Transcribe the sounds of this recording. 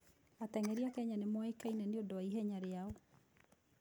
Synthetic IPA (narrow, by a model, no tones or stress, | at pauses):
atɛŋɛɾiakɛɲanemwekainɛneondowaiɦɛɲaɾeaɔ